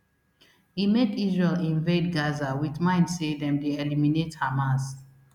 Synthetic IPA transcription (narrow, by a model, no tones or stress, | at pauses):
himedizɛlĩɱved̚ɡazawitmãɪ̃ndsedɛ̃mdeɛliminethamãs